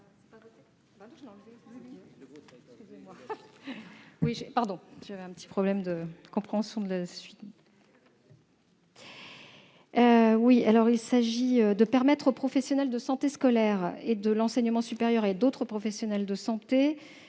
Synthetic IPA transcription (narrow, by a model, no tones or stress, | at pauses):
bad̪ɔ̃kʒəlɑ̃lvɛ | ɛkskʲyzemwa | wiʒɛpaʁd̪ɔ̃ʒ̥avɛɛ̃pət̪i̥pχɔblɛmd̪əkɔ̃pχeɑ̃sjɔ̃d̪əlasɥit̪ | øwialɔʁilsaʒiød̪əpɛʁmɛt̪χopχɔfɛsjɔnɛld̪əsɑ̃t̪eskɔlɛʁed̪əlɑ̃sɛɲəmɑ̃sypeʁjœʁed̪ot̪χəpχɔfɛsjɔnɛld̪əsɑ̃t̪e